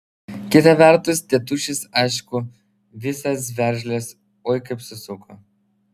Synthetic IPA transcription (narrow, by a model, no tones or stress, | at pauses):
kʲɪt̪ɐʋʲɛɾt̪ʊst̪ʲɛt̪ʊʃʲɪsɐɪʃkʊ | ʋʲɪsɐs̬ʋʲɛɾʲʒʲlʲes | oːjkɐpʲsʲʊsʊko